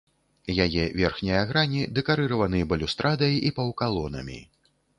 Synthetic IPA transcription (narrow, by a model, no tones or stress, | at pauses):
jajɛvʲɛrxnʲijaɣɾanʲid̪ɛkaɾɨɾɐvɐnɨjɐbɐlʲust̪ɾʔad̪ɐjipɐwkalˠɔnɐ̰mʲḭ